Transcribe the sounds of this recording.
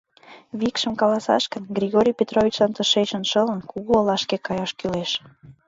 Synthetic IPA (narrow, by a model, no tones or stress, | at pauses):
βikʃə̆mkɑlɑsɑ̰ʃkənɡrʲiɣoɾʲijpʲet̪rovʲit͡ɕlɑnt̪əʃet͡ɕə̆nʃə̆lə̆nkuɣuːlɑʃkekɑjɑʃkyleʃ